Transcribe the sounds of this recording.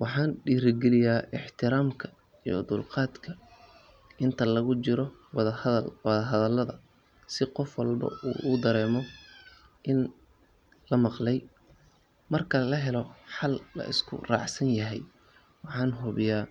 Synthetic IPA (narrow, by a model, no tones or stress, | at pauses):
wɑħɑːnɖiːɾɪɡɛlɪjaːʔɪħt̪ʰɪɾaːmkʰɐ | ij̰d̪ʊlqɑːd̪kʰɐ | ʔɪnt̪ʰɐlɐɣʊt͡ʃɪɾɔwðɐðɐlwɑðɐɦɐðɐlːɐðɐ | sɪqɔfwɑlbɐ̰ṵːʔuːd̪ɐɾɛːmɔ | ʔɪn | lɐmɑqlɛj | mɐrkʰɐlɐɦɛlɔħɑlːɐ̰ʔɪ̰skʰʊ̰rɑ̰ːʕsɐnjɐɦɛj | wɑħɑːnɦʊβɪjaː